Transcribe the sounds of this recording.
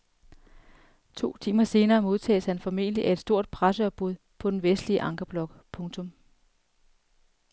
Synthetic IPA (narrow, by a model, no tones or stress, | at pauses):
t͡sʰo̝̰ːt͡sʰiːmɐse̝ːnɐːmo̝ðˠt͡sʰɛ̰ːshænfɒ̽me̝̰ːnəliʔæe̝d̥sd̥o̝ɐ̰d̥̚pʰʁasəɒ̽b̥̚uð̞ˠpʰɒ̽d̥enʋesd̥liəʔɑ̈ŋɡ̥ɐb̥lɒ̽ɡ̥pʰɔ̽ŋt͡sʰɔ̽m